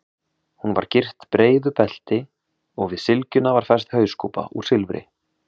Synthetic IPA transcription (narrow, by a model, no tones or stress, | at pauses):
hunva̰ɾ̥cɪr̥t̪pɾeːjðʏpɛl̥t̪ɪ | ɔɣvɪðsɪlcʏnavaɾ̥fɛr̥st̪hœɥskowpa̰uɾ̥sɪlvɾɪ̰